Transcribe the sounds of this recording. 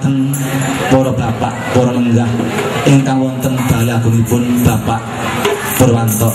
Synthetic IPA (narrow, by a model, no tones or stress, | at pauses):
t̪ən | pɔɾɔb̥apaʔpɔɾɔməŋɡahʔɪŋkaŋwɔnt̪ənb̥a̤jiakuŋipʊnb̥a̤paʔ | pərwant̪ɔ